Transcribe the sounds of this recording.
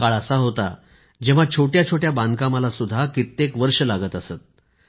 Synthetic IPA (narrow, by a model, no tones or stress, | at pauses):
kaɭəsaɦot̪a̰ | d͡ʑeʋ̤at͡ɕʰoʈjat͡ɕʰoʈjabãnd̪ʱkamalasud̪ʱːakit̪ːekʋəɾʂəlaɡət̪əset̪̚